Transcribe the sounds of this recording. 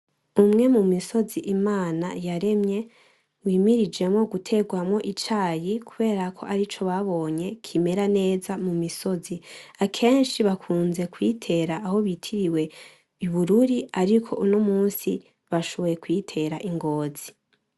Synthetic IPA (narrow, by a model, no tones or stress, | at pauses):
umŋe̞mumiso̞ziʔimaːnajaɾe̞mɲe̞ | wiːmiɾid͡ʒe̞mŋo̞ɡutʰe̞ɡwamŋo̞ʔit͡ʃaːjikʰuβe̞ːɾakʰo̞̰ʔaɾit͡ʃo̞βaβo̞ːɲe̞kʰime̞ɾane̞ːzamumiso̞ziakʰe̞ːnʃiβakʰuːnze̞kwitʰe̞ɾaʔːho̞βitʰiɾiwe̞ | iβuɾuɾiaɾikʰo̞ʔuno̞muːnsi | βaʃoβojekwitʰe̞ɾaʔiŋɡo̞ːz̥i